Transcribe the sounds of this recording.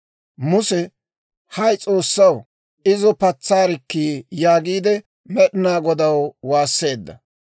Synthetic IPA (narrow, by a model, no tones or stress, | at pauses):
mʊsɛ | hɐjt͡sʼo̞ːsːɐw | ɪzɔpɐt͡sːaːɾɪkːiːjaːɡiːd̪ɛ | mɛɗɪnaːɡɔd̪ɐwwaːsːe̞ːd̪ːɐ̰